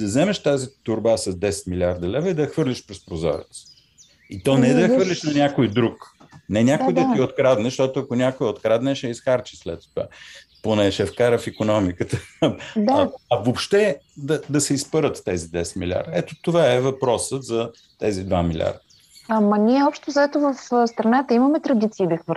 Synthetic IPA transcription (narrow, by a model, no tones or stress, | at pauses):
d̪ɐzɛmɛʃt̪azit̪ʊɾbasɐzd̪ɛsɛ̥t̪milʲaɾd̪ɐlɛvəid̪ɐɐxvɤɾlʲiʃpɾɛspɾozɔ̰ɾɛ̰t̪s | it̪ɔnɛɛd̪ɐəxvɤɾlʲiʃnɐnʲakojd̪ɾuk | nɛnʲakojd̪ɐt̪iot̪̚kɾad̪nɛʃt̪ɔt̪ʊɐkonʲakojot̪kɾad̪nɛʃɛisxaɾt͡ʃislɛt̪ːova̰ | ponɛʃɛfkaɾəfikonɔmikət̪əd̪ɐɐvopʃt̪ɛd̪ɐd̪ɐsɛispəɾət̪ːɛzid̪ɛsmilʲa̰ɾd̪əɛt̪ot̪ovaɛvɐpɾɔsət̪zɐ | t̪ɛzid̪vamilʲa̰ɾd̪ə | amɐnʲiɛɔpʃt̪ozɐɛt̪ovɐfst̪ɾɐnat̪əimɐmɛt̪ɾɐd̪it̪siːd̪ɐxvə